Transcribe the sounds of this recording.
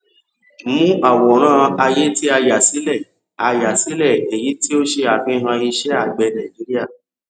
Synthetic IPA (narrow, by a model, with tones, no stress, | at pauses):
mũ˦ʔa˦˨wɔ˨˦ɾ̃ãː˦˨a˧je˦ti˦a˧ja˨si˨˦lɛ˦˨ | a˧ja˨si˨˦lɛ˦˨e˨ji˨˦ti˦o˦ʃe˧a˨fĩ˦˧ɦã˧i˧ʃɛ˦a˦˨ɡ͡bɛ˧nã˨d͡ʒi˨˦ɾi˦a˦˨